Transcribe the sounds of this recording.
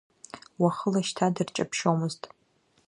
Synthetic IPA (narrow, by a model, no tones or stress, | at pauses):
waχəlaʃtʰadɨrt͡ʃʼapʰʃowmɨztʼ